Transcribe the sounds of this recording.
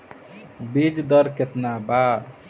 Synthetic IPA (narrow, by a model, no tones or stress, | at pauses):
bid͡ʒd̪ʌɾket̪naba